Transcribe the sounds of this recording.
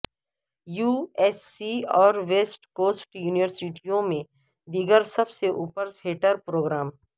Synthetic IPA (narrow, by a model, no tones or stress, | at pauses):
juːɛːsːiɔːɾʋeːsʈkoːsʈjuːnɪʋəɾsiʈijõmẽ | d̪iɡəɾsɐbseʔuːpəɾt̪ʰeːʈəɾpɾoːɡɾaːm